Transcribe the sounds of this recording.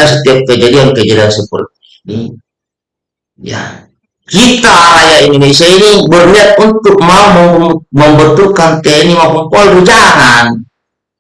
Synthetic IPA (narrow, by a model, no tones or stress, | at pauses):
as̬ət̪iap̚kəd͡ʒadiankəd͡ʒadiansəpə̰rt̪̚iːni | ja̰ | kit̪aːlajaindonesiainibərniat̪̚unt̪uk̚maumaməmbət̪ulkant̪ɛnimakɔmpɔldud͡ʒaŋan